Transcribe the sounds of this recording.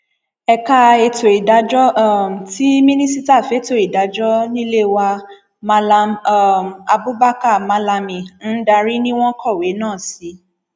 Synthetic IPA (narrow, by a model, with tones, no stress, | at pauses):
ɛ˧ka˧˦e˧to˨i˨da˨˦d͡ʒɔ˦˨m̩˨ti˦mĩ˦nĩ˦si˦ta˦˨fe˨˦to˦˨i˨da˨˦d͡ʒɔ˦nĩ˦le˦˨wa˧ | ma˧la˧˨ | a˧bu˦ba˦ka˦˨mã˧la˧mĩ˨n̩˦da˧ɾi˦nĩ˦w̃ɔ̃˦kʰɔ˦˨we˨˦nãː˦˨si˨˦